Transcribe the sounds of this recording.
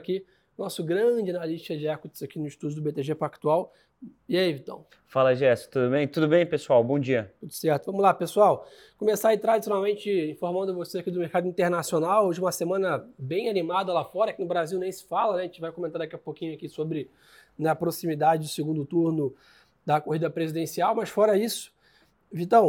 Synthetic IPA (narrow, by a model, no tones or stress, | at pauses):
ki | ʊnɔsʊɡɾɐ̃d͡ʒɪanaliʃt͡ʃkɐd͡ʒɪɛkut͡ʃz̥akinʊiʃt̪ud͡ʒʊd̪ʊbet̪eʒefakt̪uaw | iaivit̪ɐ̰̃w̃ | falɐʒɛsʊ̥t̪ud̪ʊbẽj̃t̪ud̪ʊbẽj̃pesuawbõd͡ʒiɐt̪ut̪ʊ̥sɛɾt̪ʊvɐ̃mʊzlapesuaw | kõmesaɾit̪ɾad͡ʒisjonawmẽnt͡ʃɪĩfoɾmɐ̃nd̪ʊvoseakid̪ʊmeɾkad̪ʊĩt̪eɾnasionawoʒɪũmɐsemɐ̃nɐbẽj̃animad̪ɐlafɔɾɐakinʊbɾaziwnẽj̃sɪ̥falɐnɛʒẽt͡ʃɪvajkomẽnt̪aɾd̪akiapokĩɲʊakisobɾɪ | nɛɐpɾosimid̪ad͡ʒɪd͡ʒʊseɡũnd̪ʊt̪uɾnʊ | d̪ɐkohid̪ɐpɾezid̪ẽsiawmɐʃfɔɾɐisʊ̥ | vit̪ɐ̃w̃